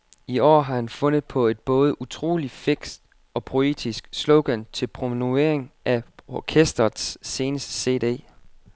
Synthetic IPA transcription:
iɒ̰ːɦɑ̈hænfɔ̽n̰ð̩ˠpʰɒ̽e̝d̥̚b̥ɔ̽ːð̞ˠəut͡sʰʁo̝̰ːlife̝ɡ̥sd̥ | ɒ̽pʰʁo̝e̝̰ːd̥isɡ̥slɔʊɡ̥ænt͡sʰe̝lpʰʁo̝mnue̝̰ɐ̰eŋʔæɒkʰesd̥ɐsːe̝ːnəsd̥ə̥se̝̰ːd̥e̝̰ː

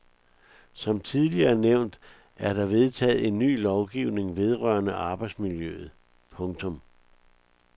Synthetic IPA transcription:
sɒ̽mt͡sʰið̞ˠliɐneʊ̰nd̥ | æɐɾ̥ɑ̈ʋe̝ð̞ˠt͡sʰɛ̰ːð̞̩ˠe̝nːy̰ːlɒʊɡ̥iʊne̝ŋʋe̝ð̞ˠʁɶɐnəʔɑ̈ːb̥ɑ̈ɪd̥smiljøð̞̩ˠ | pʰɔ̽ŋt͡sʰɔ̽m

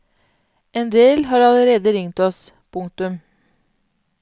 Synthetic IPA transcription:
eːnd̪eːlɦɑːɾɑləɾeːd̪əɾɪŋt̪ɔs | pʰʊŋt̪ʉm

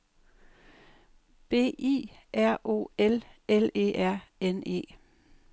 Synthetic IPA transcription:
b̥e̝̰ːʔḭːʔæɐ̰ʔo̝̰ːelele̝̰ːʔæɐ̰ene̝̰ː

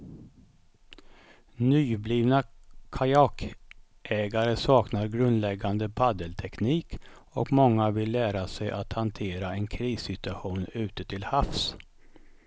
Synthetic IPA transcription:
nyːbliːvnakʰajak | ʔɛːɡaɾəsɑːknaɾɡɾɵnd̪lɛɡːand̪əpʰad̪əlt̪ʰɛkniːk | ɔkmɔŋːavɪlːæːɾasɛjʔat̪hant̪ʰeːɾaɛnkʰɾiːsɪt̪ɵaɧuːnʉ̟ːt̪ət̪ʰɪlhafs

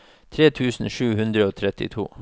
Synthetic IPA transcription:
t̪ʰɾeːt̪ʰʉːsn̩ʃʉːhʉnd̪ɾəoːt̪ʰɾɛt̪ɪ̰t̪ʰṵː

